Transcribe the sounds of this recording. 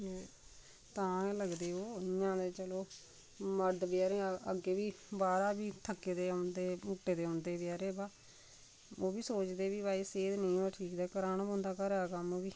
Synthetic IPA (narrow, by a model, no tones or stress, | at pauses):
t̪ãːləɡd̪eːoːɪjːãːd̪eːt͡ʃəloː | məɖ̪bɪjaːɾẽːəɡeːʋiː | baːɾaːbiːt̪ʰəkːeːd̪eːond̪eːmʊʈːeːd̪eːõnd̪eːbɪjaːɾeːbaː | oːbiːsoːt͡ʃd̪eːʋiːbaːiːseːd̪nĩːaːʈʰiːkd̪aːkəɾaːnːbõːnd̪aːkəɾɛːkəmʋiː